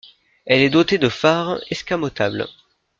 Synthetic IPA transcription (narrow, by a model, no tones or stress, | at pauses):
ɛlɛd̪ot̪ed̪əfaʁɛskamot̪abl